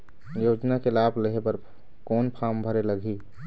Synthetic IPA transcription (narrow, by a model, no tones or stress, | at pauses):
joːd͡ʒnakelaːbleɦepəɾ | kɔːnpʰaːmbʱəɾeləɡʱiː